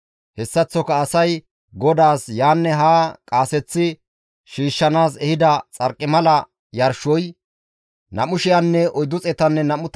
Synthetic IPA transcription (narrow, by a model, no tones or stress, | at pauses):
hɛsːɐt͡sːɔkɐːsɐj | ɡɔd̪aːsjaːnːɛɦaːkʼaːsɛt͡sːɪ | ʃiːʃːɐnaːsɛhɪd̪ɐt͡sʼɐɾkʼːɪmɐlɐ | jɐɾʃɔj | nɐ̰mʊʃɪjanːɛɔjd̪ʊt͡sʼɛt̪ɐnːɛnɐmʊt̪